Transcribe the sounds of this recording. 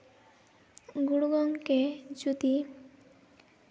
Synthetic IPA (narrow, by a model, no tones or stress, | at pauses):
ɡuɽuɡɔŋked͡ʒut̪i